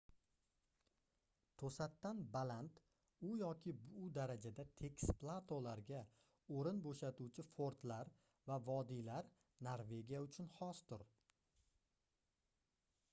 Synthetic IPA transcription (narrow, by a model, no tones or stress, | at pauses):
t̪ʰosat̪ːanbalant̪ | ʊjɒkʲʰɪbʊd̪aɾad͡ʒad̪at̪ʰe̞kʲsplˠat̪ʰolaɾɡʲa | oɾɪnboʃat̪ut͡ʃʰɪfoɾt̪laɾ | vavɒd̪ilaɾ | naɾve̞ɡʲijaʊt͡ʃʰʊnhɒst̪ʊɾ